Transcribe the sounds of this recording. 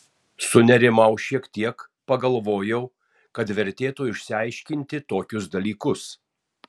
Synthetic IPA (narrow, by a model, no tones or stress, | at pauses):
sʊnʲɛɾʲɪmɐʊʃʲiɛkt̪ʲiɛkpɐɡɐlˠʋoːjɛʊ | kɐt̪ʋʲɛɾʲt̪ʲeːt̪uɪʃʲsʲɪɐɪʃʲkʲɪnʲt̪ʲɪt̪oːkʲʊsd̪ɐlʲiːkʊs